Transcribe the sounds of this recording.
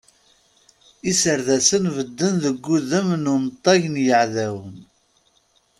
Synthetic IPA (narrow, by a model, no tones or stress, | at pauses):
isəɾðæsənvəd̪ːənðəɡːuðəmnʊmt̪ˤːɑʝnjəʕðæwən